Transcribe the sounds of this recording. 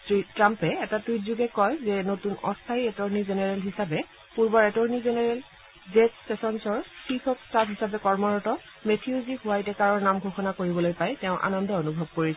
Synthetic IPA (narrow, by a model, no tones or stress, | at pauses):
sɹitɹampɛːtatutzuɡɛkɔjzɛnotunɔ̰stʰaiɛtɔɹnizenɛɹɛlɦisabɛ | puɹbɔɹɛtɔɹnizenɛɹɛl | zɛspɛsɔnsɔɹsikʰɔkstapɦisabɛkɔɹmɔɹɔtɔ | metʰiuzihuwajtɛkaɹɔɹnamɡʱuxɔnakoɹibɔlojpajtɛʊ̃ʔa̰nɔndɔonubʱɔb̚koɹisɛ